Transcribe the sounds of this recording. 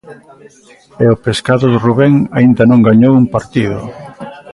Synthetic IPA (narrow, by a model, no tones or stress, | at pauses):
eopeskaðʊðeruβɛŋaind̪anõŋɡaɲowumpaɾt̪iðʊ̰